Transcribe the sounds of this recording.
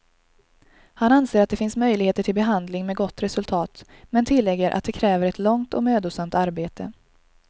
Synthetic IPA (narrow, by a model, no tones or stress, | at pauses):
hananseːɾat̪̚d̪ɛfɪnsmœjlɪɡheːt̪əʈʰɪlbɛɦand̪lɪŋmɛɡɔt̪ːɾɛsɵlt̪ʰɑːt̪ | mɛnt̪ʰɪlːɛɡːəɾʔa̰t̪̚d̪ɛkʰɾɛːvəɾɛt̪lɔŋt̪ɔmøːd̪ʊsamt̪aɾbeːt̪ʰə̰